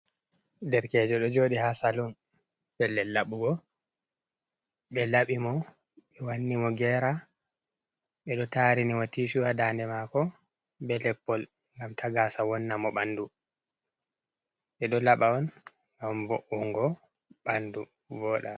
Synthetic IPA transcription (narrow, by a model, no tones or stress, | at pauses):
dɛɾkɛːd͡ʒɔɗɔd͡ʒoːɗihasalun | b̥ɛlːɛlːaɓuɡɔ | ɓɛlaɓimɔ | ɓɛwanːimɔɡɛɾa | ɓɛɗɔtaɾinimɔtiʃuwadandɛmakɔ | bɛlɛpːɔl | ŋɡamtʰaɡasawɔnːamɔɓandu | ɓɛɗɔlaɓaɔn | ŋɡamboʔuŋɡɔ | ɓandu | vɔːɗa